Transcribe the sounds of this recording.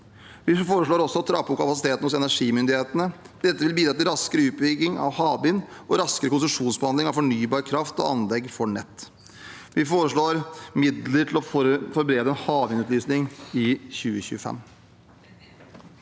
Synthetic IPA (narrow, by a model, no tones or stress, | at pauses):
ʋɪfoːɾəʂɭoːɾɔsːɔt̪ʰɾɑpːʊkʰɑpɑsɪt̪ʰeːt̪ən̩hʊsɛnæʂiːmʏnd̪ɪheːt̪ənə | d̪ɛt̪ːəʋɪlbiːd̪ɾɑt̪ɪlɾɑskəɾəʉːt̪̚bʏɡɪŋɑ̰ʋhɑːbɪnʔɔɾɑskəɾəkʊns̬ʉʂuːnsbəhɑnd̪ɪŋɑʋfɔɳyːbɑːɾkʰɾɑft̪ɔ̰ɑ̰nlɛɡːfɔɳɛ̰t̪ː | ʋɪfoːɾəʂɭoːɾmɪd̪ləʈʰɪlɔfɔɾbɾeːd̪əɛnhɑːbɪnʉːt̪lyːsnɪŋɪçʉːəçʉːəfɛ̰mː